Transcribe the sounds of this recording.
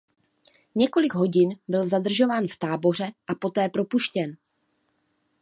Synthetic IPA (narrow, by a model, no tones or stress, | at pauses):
ɲɛko̞lɪɡɦo̞ɟɪnbɪlzadr̩ʒo̞vaːnft̪aːbo̞r̝ɛʔapo̞t̪ɛːpɾo̞puʃcɛn